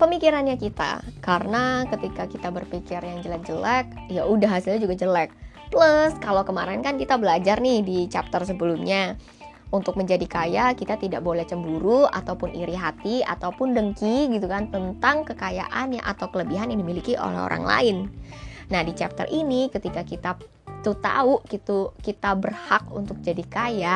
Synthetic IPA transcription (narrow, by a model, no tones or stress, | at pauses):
pəmikiɾanɲakit̪a̰kaɾənakət̪ikakit̪abərpikɪrjaŋd͡ʒəlɛk̚d͡ʒəlɛk̚ | jaudaɦasɪlɲad͡ʒuɡad͡ʒəlɛk̚ | pluskalawkəmaɾɛnkankit̪abəlad͡ʒarnɪhdit͡ʃap̚t̪ərsəbəlumɲa | unt̪ʊk̚məɲd͡ʒadikajakit̪at̪idaʔbolɛht͡ʃəmbuɾua̰t̪awpʊnʔiɾiɦat̪ia̰t̪awpʊndəŋkiɡit̪ukant̪ənt̪aŋkəkaja̰ʔanja̰ʔa̰t̪awkələbiɦanjaŋdimilikiʔo̰lɛ̰ɦo̰ɾa̰ŋla̰ɪnnahdit͡ʃap̚t̪ə̰rʔinikət̪ikakit̪a | t̪ut̪a̰uʔkit̪ukit̪abərhak̚ṵnt̪ʊk̚d͡ʒadikaja